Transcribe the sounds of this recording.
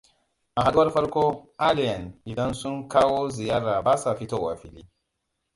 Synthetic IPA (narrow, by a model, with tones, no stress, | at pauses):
a˨ɦa˦ɡwa˦ɾfa˦ɾko˦a˦li˨ja˨ni˨da˦nsu˦nka˦wo˦zi˨ja˦ɾa˨ba˦sa˨fi˦to˦˨wa˨fi˨li˦